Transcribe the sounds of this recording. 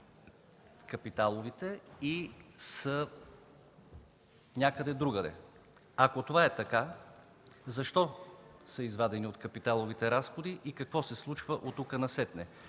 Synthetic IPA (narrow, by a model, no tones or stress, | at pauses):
kɐpit̪alˠovit̪ɛisə | nʲakəd̪ɛd̪ɾuɡəd̪ɛ̰ | ɐkot̪ovaɛt̪ɐka | zɐʃt̪ɔsəizvad̪ɛniot̪kɐpit̪alˠovit̪ɛɾasxod̪iʔikɐkvɔsɛslˠut͡ʃvəʔot̪ːukənɐsɛt̪nɛ